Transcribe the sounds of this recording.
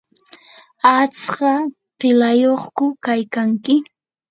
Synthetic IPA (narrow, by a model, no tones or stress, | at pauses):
at͡sɢɑ | pɪlajoχkʊkajkaŋkɪ